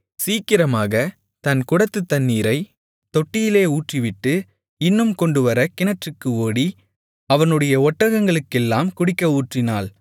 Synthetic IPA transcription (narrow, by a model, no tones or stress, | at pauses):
siːkːɪɾɐmaːɣɐ | t̪ɐnkʊɽɐt̪ːɯt̪ːɐnːiːɾɐɪ | t̪ɔʈːɪjɪleːuːʈriʋɪʈːɯ | ɪnːɯmkɔɳɖɯʋɐɾɐkɪnɐʈrɯkːɯoːɽi | ɐʋɐnɯɽɐjɐɔʈːɐɣɐŋɡɐɭɯkːɛlːaːmkʊɽɪkːɐuːʈrɪnaːl